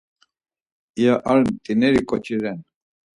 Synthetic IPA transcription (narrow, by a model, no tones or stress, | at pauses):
ijaʔalmt̪ʼinɛɾikʼɔt͡ʃʼiɾɛn